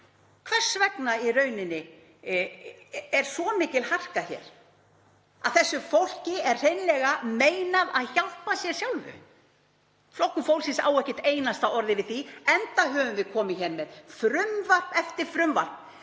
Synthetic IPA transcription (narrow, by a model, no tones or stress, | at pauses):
kʰvɛr̥svɛknairœːɥnɪnːɪ | ɛɾ̥svɔmɪːcɪlhar̥kaçɛ̰ːɾ̥ | aðθɛsːʏfowl̥cɪɛr̥r̥ejnlɛːɣameːjnaðaðçal̥pasjɛɾ̥sjawlvʏ̰ | flɔhkːʏfowlsɪsa̰wɛhcɪt̪eːjnast̪aɔɾðɪvɪðθiɛnt̪aɦœːvʏmvɪðkʰɔːmɪçɛnmɛðfɾʏmvar̥pɛft̪ɪɾ̥fɾʏmva̰r̥p